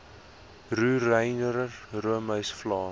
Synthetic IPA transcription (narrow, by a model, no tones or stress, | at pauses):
ruːrəjnəɾruəməɥsflɑː